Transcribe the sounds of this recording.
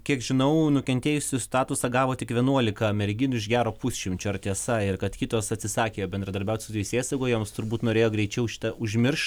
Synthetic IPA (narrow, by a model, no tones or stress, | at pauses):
kʲiɛkʒʲɪnɐʊnʊkʲɛnt̪ʲeːjʊsʲɪst̪ɑːt̪ʊsɑɡɑːʋoːtʲɪkʋʲiɛnuɔlʲɪkɐmʲɛɾʲɡʲɪnʊɪʃɡʲæːɾoːpʊsʲʃʲɪmʲt͡ʃʲʊɐrt̪ʲiɛsɑɪrkɐt̪kʲit̪oːsɐt̪ʲsʲɪsɑːkʲeːjoːbʲɛnd̪ɾɐd̪ɐɾʲbʲɛʊt̪ʲsʊt̪ʲɛɪsʲeːsɐɡoːjɛmst̪ʊɾbuːt̪noːɾʲeːjoːɡɾʲɛɪt͡ʃʲɛʊʃʲɪ̥t̪ɐʊʒʲmʲɪrʃ